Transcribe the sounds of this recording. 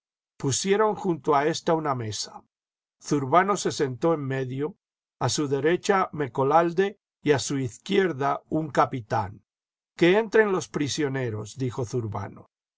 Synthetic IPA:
pusje̞ɾo̞ŋxunt̪oae̞st̪auname̞sḁ | θuɾβano̞se̞se̞nt̪o̞emːe̞ðjo̞ | asuðe̞ɾe̞t͡ʃame̞ko̞lald̪e̞ | iasuiθkje̞ɾðauŋkapit̪a̰ŋ | ke̞ent̪ɾe̞nlo̞spɾisjo̞ne̞ɾo̞sd̪ixo̞θuɾβa̰no

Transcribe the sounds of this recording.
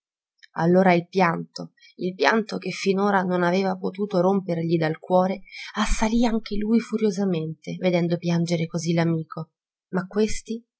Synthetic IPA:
a̰lːoːɾailpjant̪o | ilpjant̪ok̟efːinoːɾanonaveːvapot̪uːt̪oɾomperʎid̪alkwɔːɾeasːaliaŋk̟elujfuɾjozament̪eved̪ɛnd̪opjand͡ʒeɾekozilamiːkʰo | makːwest̪i

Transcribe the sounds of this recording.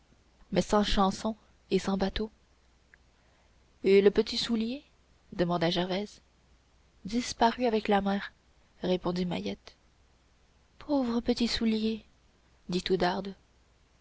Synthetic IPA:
mɛsɑ̃ʃɑ̃sɔ̃ | esɑ̃bat̪o | eləpət̪isulje | d̪əmɑ̃d̪aʒɛʁvɛz | d̪ispaʁyavɛklamɛːʁ | ʁepɔ̃d̪ima̰jɛt̪ | pʰovʁəpət̪isulje | d̪it̪ud̪aʁd̪

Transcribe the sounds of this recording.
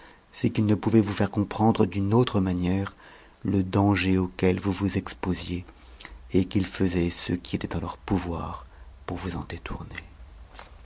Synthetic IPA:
sɛkilnəpuvɛvufɛʁkɔ̃pχɑ̃d̪ʁəd̪ynot̪χəmanjɛʁ | ləd̪ɑ̃ʒeokʲɛlvuvuzɛkspozje | ekilfəzɛsə̰kʲiet̪ɛt̪ɑ̃lœʁpuvwa̰ʁpuʁvuzɑ̃d̪et̪ʰṵʁne

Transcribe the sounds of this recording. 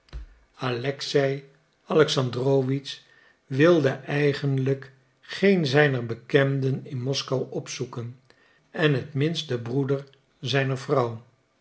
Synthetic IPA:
alɛksɛj | ɑlɛksɑndroːʋits | ʋɪlˠdəʔɛjχənlək | χejnzɛjnəɹbəkɛmdənɪnmɔskɑwɔpsukən | ɛnɦətmɪnstdəbrudəɹ | zɛjnəɹvrɑw

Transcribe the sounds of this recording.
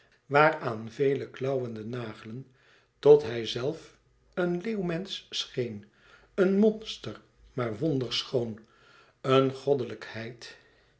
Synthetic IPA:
ʋaːraːnvejləklɑwəndənaːχələn | tɔtɦɛjzɛlˠf | ənleːwmɛnssχejn | ənmɔnstər | maːɹʋɔndəɹsχown | ənχɔdələkhɛjt

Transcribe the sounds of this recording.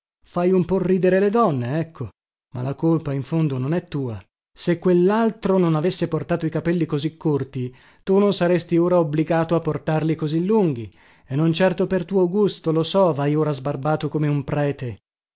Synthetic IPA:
fajumpɔrːiːd̪eɾeled̪ɔnːeɛkʰːo | ma̰lakolpaiɱfond̪ononɛt̪ːuːa | sekːwelːalt̪ɾononavesːeport̪aːt̪oikapɛlːikozikʰːort̪i | t̪unonsaɾest̪ioːɾaobliɡaːt̪oapːort̪arlikozilːuŋɡi | enːont͡ʃɛrt̪opert̪uːoɡust̪olosɔvajoːɾazbarbaːt̪okomeumpɾɛːt̪e

